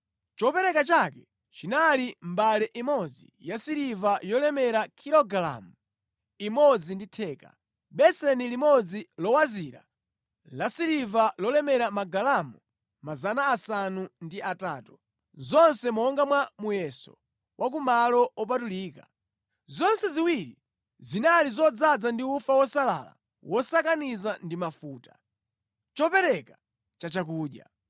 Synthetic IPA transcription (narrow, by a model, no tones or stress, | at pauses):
t͡ʃɔpɛɾɛkat͡ʃakɛ | t͡ʃinalimbalɛʔimɔd͡zḭ | jasiɾivajɔlɛmɛɾakʰiɾɔɡala̰mu | imɔd͡zinditʰɛːka̰ | ɓɛsɛnilimɔd͡zilɔwaziɾa̰ | lasiɾivalɔlɛmɛɾamaɡalamu | mazanaːsanundiʔataːtu̥ | zɔnsɛmɔɔŋɡamwamujɛsɔ̰ | wʔak̬umalɔɔp̬atuliːka | zɔnsɛziwiɾi | zinalizɔd͡zad͡zandiufawɔsala̰la̰ | wɔsakanizandimafuːta | t͡ʃɔpɛɾɛka | t͡ʃat͡ʃak̬uːɗja̰